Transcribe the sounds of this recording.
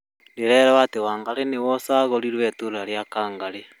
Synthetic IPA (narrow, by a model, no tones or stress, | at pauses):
ɾeɾɛɾɛwatewaːŋɡaɾenewɔsaːɣoɾiɾwɛtoɾɾaɾjakaːŋɡaɾe